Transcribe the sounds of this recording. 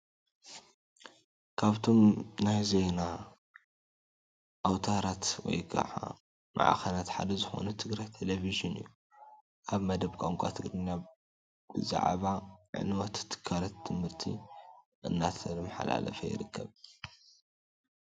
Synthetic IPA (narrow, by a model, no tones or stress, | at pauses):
kʰaβt̪ʰo̞mnajzejna | ʔawt̪ʰaɾat̪wɔ̰jɡa̰ʕa̰ | mʔa̰ʕa̰xɐlat̪ħa̰d̪ɐzɨxo̞̰nut̪ʰɨɡɾajt̪ʰeleviʒɨnɨjːu | ʔaβmɐd̪ɐβkʷʼaŋkʷʼat̪ʰɨɡɾɨnːa | b̥ɨza̰ʕβaʕɨ̰nwot̪ʰt̪ʰːɨ̥kʰːaɾɐt̪ʰːɨmhɨɾt̪ʰḭ | ʔɨnːat̪ʰɐmːaħa̰la̰lɐ̰fɐjɪ̰ɾɨkːɐβ